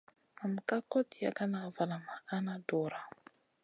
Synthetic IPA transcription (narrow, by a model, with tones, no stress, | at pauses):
a˨m˨ka˦kɔ˦ti˨a̰˨ka˦na˨va˨la˨maː˨˦na˦dɔː˨ɾa˨